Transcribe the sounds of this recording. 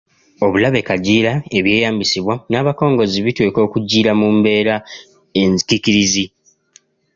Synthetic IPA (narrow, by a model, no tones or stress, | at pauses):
o̞βulaβe̞kaɟiːɾae̞βje̞ːjaːmbisiβwanaːβako̞ːŋɡo̞ziβitwe̞ːko̞ːkuɟiːɾamumbe̞ːɾa | ekikiɾizi